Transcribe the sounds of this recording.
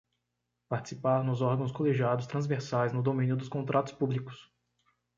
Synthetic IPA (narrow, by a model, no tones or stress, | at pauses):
paɾt͡ʃi̥sipaɾnʊzɔɾɡɐ̃w̃skoleʒiad̪ʊst̪ɾɐ̃zveɾsajznʊd̪omĩnjʊd̪ʊskõnt̪ɾʔat̪ʊ̥spublikʊ̥s